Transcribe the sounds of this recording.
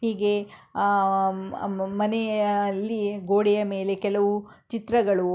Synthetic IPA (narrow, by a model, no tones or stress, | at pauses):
hiːɡe̞ | mɐneɐlːiɡoːɽɛjɐme̞ːle̞kɛlɐʋu | t͡ʃit̪ɾɐɡɐɭu